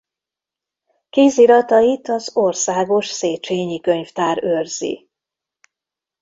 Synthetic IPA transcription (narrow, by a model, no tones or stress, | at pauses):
kiːziɾɒt̪ɒit̪ɒzo̞rsaːɡo̞ʃseːt͡ʃeːɲikø̞ɲft̪aːɾørz̥ḭ